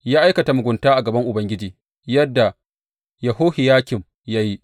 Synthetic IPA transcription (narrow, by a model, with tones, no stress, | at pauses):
jaː˦ʔa˦jkɐ˨ta˨mʊ˨ɡʷʊ˨ntaː˦ʔa˨ɡɐ˨bɐ˦ŋʔʊ˨bɐ˦ŋɡʲɪ˦d͡ʒiː˨ | jɐ˦dːa˨ | ja˨ɦoː˦hɪ˨jaː˦kʲɪ˨m | ja˦ji˦